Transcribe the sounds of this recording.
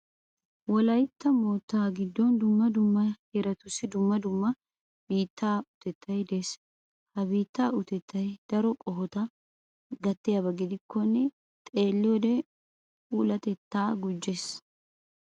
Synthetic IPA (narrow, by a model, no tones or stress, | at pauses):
wɔlɐjt̪ːɐmoːt̪ːaːɡɪd̪ːɔnd̪ʊmːɐd̪ʊmːɐheɾɐt̪ʊsːɪd̪ʊmːɐd̪ʊmːɐ | b̥iːt̪ʰːaːʊt̪ɛt̪ʰːɐjd̪eːs | hɐbiːt̪ːaːʔʊt̪ɛt̪ʰːɐjd̪̥ɐɾɔkʼɔɦɔt̪ɐ | ɡɐt̪ːɪjɐbɐɡɪd̪ɪkʰːɔnːɛ | t̪ʼe̞ːlːɪjɔd̪ɛ | uːlɐt̪ɛt̪ːaːɡʊd͡ʒːeːs